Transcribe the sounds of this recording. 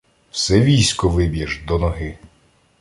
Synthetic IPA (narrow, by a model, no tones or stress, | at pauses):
w̥sɛʋʲijsʲkɔʋɪbʲjɛʒd̪ɔnɔɦɪ